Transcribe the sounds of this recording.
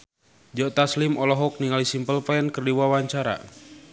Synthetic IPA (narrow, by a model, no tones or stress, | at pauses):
d͡ʒɔt̪aslimɔlɔɦɔk̚niŋalisimpəlpɛnkərdiwawaɲt͡ʃaɾa̰